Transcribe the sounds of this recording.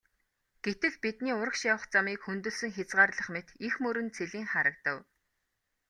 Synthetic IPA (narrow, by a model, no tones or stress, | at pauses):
ɡ̥et̪ɘ̆ɮpit̪niːʊɾə̆kʃjawə̆χt͡samiːkxɵnt̪ɵ̆ɮsɵ̆ŋxat͡sʁaːrɮə̆χmet̪ixmɵɾɵ̆nt͡sʰeɮiːŋχaɾə̆k̚t̪ə̆w